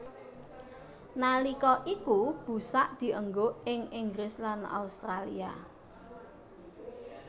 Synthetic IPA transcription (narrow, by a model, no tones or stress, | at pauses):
nalikɔʔikub̥ṳsaʔd̪̥i̤ʔəŋɡoɪŋɪŋɡɾɪslana̰ust̪ɾalḭa̰